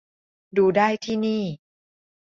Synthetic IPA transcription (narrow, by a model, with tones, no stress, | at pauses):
duː˧daː˥˩jt̪ʰiː˥˩niː˥˩